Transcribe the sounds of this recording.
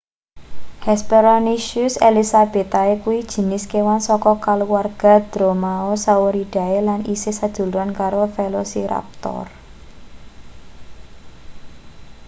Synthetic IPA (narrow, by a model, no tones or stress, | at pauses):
hɛspeɾɔniʃʊselisab̥e̤t̪aekuwid̥ʒ̥ə̤nɪskewansɔkɔkaluwarɡ̥a̤d̪̥ɾomaosawoɾid̥a̤elanisɪhsad̥ʒ̥ṳluankaɾofelosiɾa̰p̚t̪ɔ̰r